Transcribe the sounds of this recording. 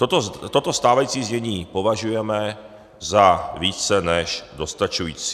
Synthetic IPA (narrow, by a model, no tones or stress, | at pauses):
t̪ot̪ot̪ot̪ost̪aːvajiːt͡siːzɲɛɲiːpo̞vaʒujɛmɛ | zaviːt͡sɛnɛʃdo̞st̪at͡ʃujḭːt͡si̥